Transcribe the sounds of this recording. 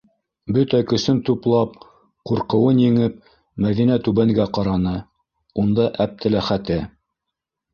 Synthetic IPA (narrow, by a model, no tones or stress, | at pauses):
bɵt̪ækɵ̆sɵnt̪uplˠɑp̚ | quɾqɤ̆wɤnjɘ̆ŋɘp̚ | mæðinæt̪ʉβæŋɡæqɑɾɑnɤ | und̪ɑʔæp̚t̪ʰɘ̆læχæt̪ɘ